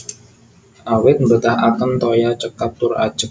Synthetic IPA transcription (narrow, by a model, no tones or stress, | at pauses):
ʔawɪt̪̚mbət̪ahakənt̪ojat͡ʃəkap̚t̪ʊrḁd͡ʒ̥ək̚